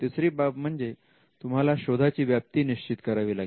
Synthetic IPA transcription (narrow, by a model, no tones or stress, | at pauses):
t̪esɾiːbapm̤əɳd͡ze | t̪umɦalaɕod̪ʱat͡ɕiːʋjap̚t̪iːniɕt͡ɕit̪kəɾaʋiːlaɡi